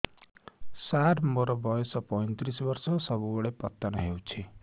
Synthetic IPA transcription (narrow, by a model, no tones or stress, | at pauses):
saʈʰmoɾʌbʌjsʌpʌjnt̪ɾisbʌrsʌsʌbuoɽepʌt̪ːʌnʌɦewt͡sʰi